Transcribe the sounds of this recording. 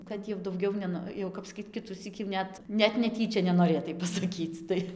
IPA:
kɐt jɛʊ dɐʊˈɡʲɛʊ nʲɛˈnoː jɛʊ ˈkɐp sɐˈkʲiːt ˈkʲɪtʊsʲiːk jɛʊ ˈnʲɛt nʲɛt nʲɛˈtʲiːt͡ʃʲɛ nʲɛnoːˈrʲeːtɐɪ pɐsɐˈkʲiːt͡s ˈtɐɪ

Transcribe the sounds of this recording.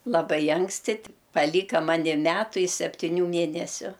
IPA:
lˠɐˈbɐɪ ˈɐŋksʲtʲɪ tʲɪ pɐˈlʲiːkɐ ˈmɑːnʲɪ ˈmʲæːtʊ ɪ sʲɛpʲtʲɪˈnʲuː ˈmʲeːnʲɛsʲʊ

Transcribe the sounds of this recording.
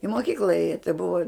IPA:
ɪ moːˈkʲiːklˠɐ ˈeːjɛ tɐɪ bʊɐ

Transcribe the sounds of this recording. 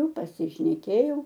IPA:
pɐsʲɪʃʲnʲɛˈkʲeːjɛʊ

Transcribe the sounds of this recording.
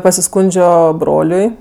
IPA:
pɐsʲɪˈskʊnʲd͡ʒʲoː ˈbroːlʲʊɪ

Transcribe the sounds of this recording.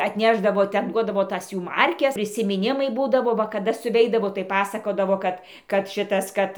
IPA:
ɐtʲˈnʲæːʒdɐʋoː ˈtʲɛn ˈduɔdɐʋoː ˈtɐs ˈjuː ˈmɐrʲkʲɛs pʲrʲɪsʲɪmʲɪˈnʲɪmɐɪ ˈbuːdɐʋoː ˈʋɐ kɐˈdɐ sʊˈʋʲɛɪdɐʋoː tɐɪ ˈpɑːsɐkoːdɐʋoː ˈkɐt kɐt ˈʃʲɪtɐs ˈkɐt

